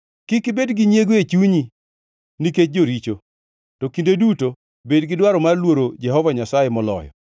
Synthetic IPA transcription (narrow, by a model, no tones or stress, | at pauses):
kɪkɪbedɡiɲjeɡoet͡ʃuɲi | niket͡ʃ̚d͡ʒoɾit͡ʃo | tɔkindeduto | bedɡɪdwaɾɔmarlwoɾod͡ʒɛɦɔvaɲasajemɔlɔ̰jɔ̰